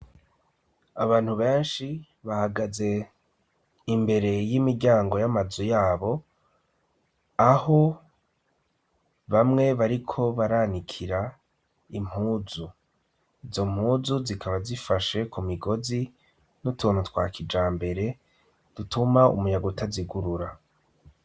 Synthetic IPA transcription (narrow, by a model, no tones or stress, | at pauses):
aβaːn̥huβe̞ːnʃi | βahaɡaze̞ | imbe̞ɾe̞jimiɾɟaːŋɡo̞jamazujaːβo̞ | aho̞ | βamŋe̞βaɾikʰo̞βaɾaːnikʰiɾa | im̥huːzu | izo̞m̥huːzuzikʰaβazifaʃe̞kumiɡo̞zi | nutʰuːnutwa̰ːkid͡ʒaːmbe̞ɾe̞ | d̥utʰumaṵmuɲaɡutaziɡuɾuɾa